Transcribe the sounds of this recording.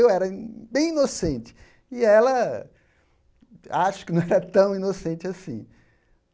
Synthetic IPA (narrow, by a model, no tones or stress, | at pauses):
ewɛɾɐbẽj̃inosẽnt͡ʃɪ̥ | ɪɛlɐ | aʃʊkɪnɐ̃w̃ɛɾɐt̪ɐ̃w̃inosẽnt͡ʃɪasḭ̃